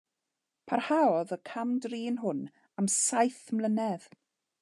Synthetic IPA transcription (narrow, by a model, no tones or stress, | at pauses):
pʰarhaɔðəkʰamdriːnɦʊn | amsajθmlənɛð